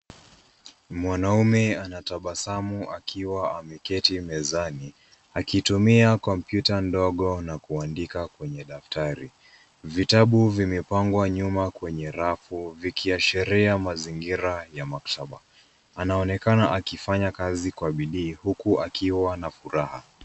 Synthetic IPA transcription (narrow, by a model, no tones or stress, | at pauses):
mwanaumɛanataɓasamuʔakʰiwaamɛkɛtimɛzani | akitumiakɔm̩pjutandɔɠɔnakuandikakwɛɲɛɗaftaɾi | vitaɓuvimɛpaŋɡwaɲumakwɛɲɛɾafuvikiaʃɛɾiamaziŋɡiɾajamaktʰaɓa | anaɔnɛkanaʔakifaɲakazikwaɓiɗiːhukuʔakiwanafuɾaha̰